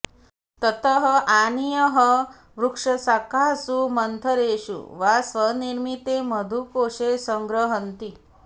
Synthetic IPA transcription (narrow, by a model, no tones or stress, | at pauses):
t̪ət̪əɦəʔanijəɦə | ʋɾukʂəsakasumənt̪ʰəɾeːɕṵʋasʋəniɾmit̪eməd̪ʱukoːɕesəŋɡɾəɦənt̪i